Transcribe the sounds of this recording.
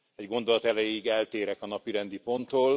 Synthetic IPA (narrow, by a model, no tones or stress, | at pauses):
ɛɟɡo̞nd̪o̞lɒt̪ɛlɛjiɡɛlt̪eːɾɛkɒnɒpiɾɛnd̪ipo̞nt̪oːl